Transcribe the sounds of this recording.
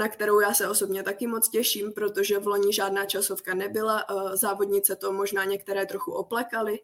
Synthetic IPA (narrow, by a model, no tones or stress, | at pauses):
nakt̪ɛɾo̞wjaːsɛo̞so̞bɲɛt̪akɪmo̞t͡scɛʃiːmpɾo̞t̪o̞ʒɛvlo̞ɲɪʒaːdnaːt͡ʃasofkanɛbɪlazaːvodɲɪt͡sɛt̪o̞mo̞ʒnaːɲɛkt̪ɛɾɛːt̪ɾoxuʔoplɛkalɪ